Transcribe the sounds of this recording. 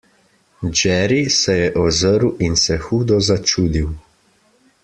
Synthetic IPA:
d͡ʒɛːɾisɛjɛʔɔzəɾwinsɛxuːd̪ɔzat͡ʃuːd̪iw

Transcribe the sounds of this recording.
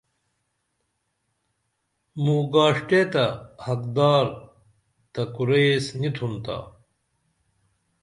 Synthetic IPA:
muɡaːʂʈet̪ɐhɐkd̪aːɾ | t̪ɐkuɾejsnit̪ʰunt̪a̰ː

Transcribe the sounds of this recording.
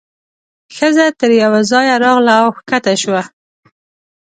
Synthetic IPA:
xəzat̪əɾjawazɑjaɾɑɣlaːwxkat̪aʃwa

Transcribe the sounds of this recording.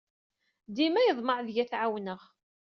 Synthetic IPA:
d̪imæjəðˤməɾðjæθʕawnəʁ

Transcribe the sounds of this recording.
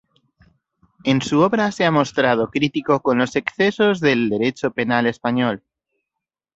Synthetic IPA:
e̞nsuo̞βɾase̞amo̞st̪ɾað̞o̞kɾit̪iko̞ko̞nlo̞se̞kθe̞so̞zðe̞ld̪e̞ɾe̞t͡ʃo̞pe̞nale̞spaɲo̞l

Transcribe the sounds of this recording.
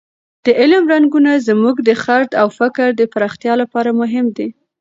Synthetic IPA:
d̪̥əʔɪlmɾaŋɡunazmuɡd̪əxaɾd̪awfɪkəɾd̪əpaɾɑxt̪jɑlapɑɾamʊɦɪmd̪e

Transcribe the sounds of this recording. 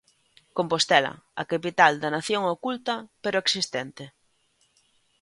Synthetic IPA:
kompost̪ɛlɐ̰ɐkapit̪ald̪ɐnaθjoŋokult̪ɐpeɾoeksist̪ɛnt̪e

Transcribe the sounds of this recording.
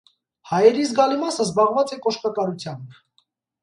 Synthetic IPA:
hɑjɛɾizɡɑlimɑsəzbɑʁvɑt͡sɛkɔʃkɑkɑɾut͡sʰjɑm

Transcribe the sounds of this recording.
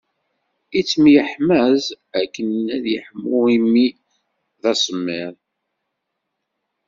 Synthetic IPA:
it͡sːmjəħmæz | ækːənnæðjəħəmːʊimi | ðæsˤəmːiɾ

